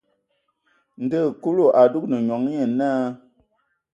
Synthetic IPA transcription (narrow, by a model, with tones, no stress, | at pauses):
n̩˨də˦˨ku˦lu˦˨ʔa˨du˦k̚nɨ˨ɲɔ˨˦ŋ˦ɲe˨na˦